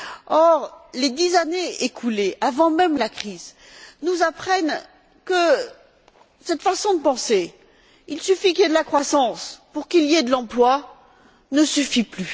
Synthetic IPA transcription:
ɔʁled̪izaneekʰuleʔavɑ̃mɛmlakχiz | nuzapχɛn | kə | sɛt̪fasɔ̃d̪əpɑ̃se | ilsyfikʲiljed̪əlakχwasɑ̃spuʁkiljed̪əlɑ̃plwa | nəsyfiply

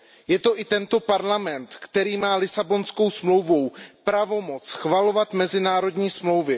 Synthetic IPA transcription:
jɛt̪o̞ʔɪt̪ɛnt̪o̞paɾlamɛnt̪kt̪ɛɾiːmaːlɪsabo̞nsko̞wsmlowvowpɾavo̞mo̞t͡sxvalo̞vat̪mɛzɪnaːɾo̞dɲiːsmlo̞wvɪ

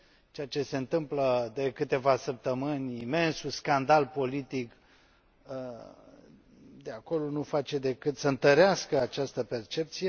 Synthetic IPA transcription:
t͡ʃeat͡ʃe̞se̞ɨnt̪ɨmpləd̪e̞kɨt̪e̞vasəp̚t̪əmɨnʲime̞nsuskand̪alpo̞lit̪ik | ə | d̪eako̞lo̞nufat͡ʃe̞d̪e̞kɨt̪səɨnt̪əɾeaskəat͡ʃast̪əpe̞rt͡ʃe̞p̚t̪sije̞

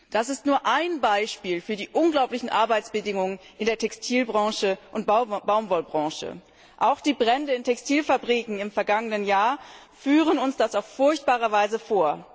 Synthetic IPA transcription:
d̥asɪstnuːɐʔaɪnbaɪʃpiːlfyːɐdiːʔʊnɡlaʊplɪçn̩ʔa̰ɐbaɪt͡sb̥ədɪŋʊŋənʔɪndeːɐtʰɛkstʰiːlbʁɑ̃ŋʃəʔʊntbbaʊmvɔlbʁɑ̃ːʃə̰ | ʔaʊxd̥iːbʁɛndəɪntʰɛkstiːlfabʁiːkŋ̩ɪmfɛɐɡaŋənənjaːɐ | fyːʁ̞ənʊnsd̥asaʊfːʊɐçt̚b̥aːʁɐvaɪzəfoːɐ

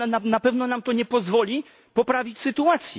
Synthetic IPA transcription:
nanapɛvnɔnamt̪ɔɲɛpɔzvɔlʲi | pɔpɾavʲit͡ɕsɘt̪uat̪sʲjḭ

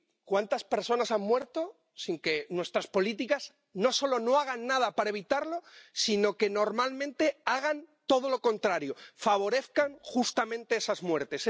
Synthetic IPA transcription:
kwant̪aspe̞ɾso̞nasamːwe̞ɾt̪o̞ | siŋke̞nwe̞st̪ɾaspo̞lit̪̬ikaz | no̞so̞lo̞no̞aɣ̞anːaðapaɾaeβ̞it̪aɾlo̞sino̞ke̞no̞ɾmalmẽnt̪e̞aɣ̞ant̪o̞ð̞o̞lo̞ko̞nt̪ɾaɾjo̞faβ̞o̞ɾe̞θkaŋxust̪amẽ̞nt̪e̞esazmwe̞ɾt̪e̞s

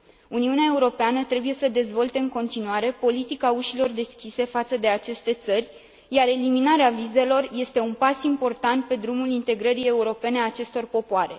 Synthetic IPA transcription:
uniuneae̞uɾo̞peanət̪ɾe̞buje̞səd̪e̞zvo̞lt̪e̞ɨŋko̞nt̪inuaɾe̞po̞lit̪ikauʃilo̞rd̪e̞skʲise̞fat̪səd̪e̞at͡ʃe̞st̪e̞t̪sərʲ | jaɾe̞liminaɾeavize̞lo̞rje̞st̪e̞unpasimpo̞rt̪ant̪̚pe̞d̪ɾumulint̪e̞ɡɾəɾije̞uɾo̞pe̞ne̞at͡ʃe̞st̪o̞rpo̞poaɾe̞̰

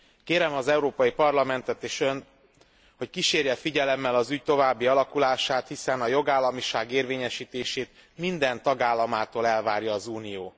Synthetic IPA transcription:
keːɾɛmɒzɛuɾoːpɒjipɒrlɒmɛnt̪ɛt̪eːʃø̞nt̪ | ho̞ckiʃeːrjɛfiɟɛlɛmːɛlɒzyc̚t̪o̞vaːbːiɒlɒkulaːʃaːt̪hisɛnɒjo̞ɡaːlːɒmiʃaːɡeːrveːɲɛʃiːt̪eːʃeːt̪ | mind̪ɛnt̪ɒɡaːlːɒmaːt̪oːlɛlvaːrjɒːzuːnijoː

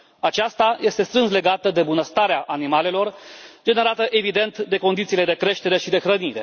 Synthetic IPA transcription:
at͡ʃast̪aje̞st̪e̞st̪ɾɨnsle̞ɡat̪əd̪e̞bunəst̪aɾeaʔanimale̞lo̞rd͡ʒe̞ne̞ɾat̪əʔe̞vid̪e̞nt̪d̪e̞ko̞nd̪it̪siːle̞d̪e̞kɾe̞ʃt̪e̞ɾe̞ʃid̪e̞xɾəniɾe̞

